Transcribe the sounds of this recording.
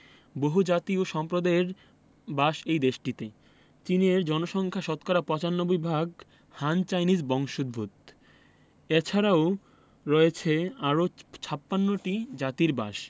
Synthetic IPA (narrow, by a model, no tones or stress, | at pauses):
boɦud͡ʑat̪ioʃɔmpɾod̪aeɾ | baʃejd̪eʃʈit̪e | t͡ɕineɾd͡ʑɔnoʃɔŋkʰaʃɔt̪kaɾapɔt͡ɕanːobojbʱaɡ | hant͡ɕajnid͡ʑbɔŋʃod̪̚bʱut̪ | et͡ɕʰaɾao | ɾɔet͡ɕʰeaɾot͡ɕʰapːanːoʈid͡ʑat̪iɾbaʃ